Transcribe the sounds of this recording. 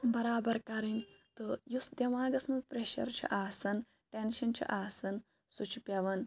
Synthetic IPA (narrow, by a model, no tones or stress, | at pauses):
bɐɾaːbɐɾkɐɾint̪ɨjusd̪ʲjɐʋãːɡɐsmɐpɾeʃɐ̰ɾt͡ʃʰḭʔaːsɐn | ʈenʃɐnt͡ʃʰḭʔaːsɐn | sut͡ʃʰipʲɐʋɐn